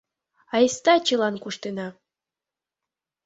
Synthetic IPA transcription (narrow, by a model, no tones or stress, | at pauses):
ɑest̪ɑt͡ɕɤlˠɑnkuʂt̪enɑ